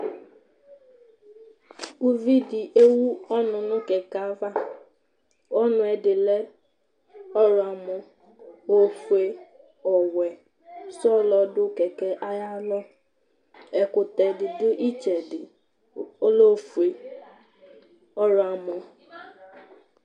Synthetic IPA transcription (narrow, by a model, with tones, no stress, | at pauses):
u˦vi˦dɪ˨ʔe˦wu˦ɔ˦nʊ˨nʊ˦ke˨ka˨˦va˦ | ɔ˦nʊ˦ɛ˨dɪ˨le˦ | ɔ˦ɾʊ˨a˨mʊ˨ | o˦fu˨e˨ | ɔ˨wɛ˨ | sɔ˦˨lɔ˨dʊ˦ke˨kɛ˦ʔa˦ja˦lɔ˦ | ɛ˨kʊ˨tɛ˨dɪ˨dʊ˦ʔi˦t͡ʃe˨dɪ˨ | o˦lo˦˨fu˨e˨ | ɔ˦ɾʊ˨a˨mɔ˨